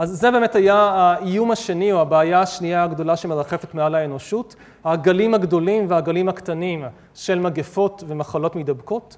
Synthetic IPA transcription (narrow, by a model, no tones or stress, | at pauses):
ʔazːebe̞ːmethajaaijumhaʃe̞nioabeːjaaʃniaːɡdo̞laʃemeʁaχe̞fetmealaeno̞ʃut | haɡalimhaɡdo̞limvehaɡalimhaktanim | ʃe̞lmaɡefo̞tve̞maχalo̞tmidabko̞t